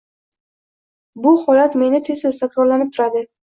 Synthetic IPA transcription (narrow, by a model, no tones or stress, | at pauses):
bʊhɒlat̪me̞nɪt̪ʰe̞zɪzt̪ʰakɾɒɾlanɪp̚t̪ʰʊɾad̪ɪ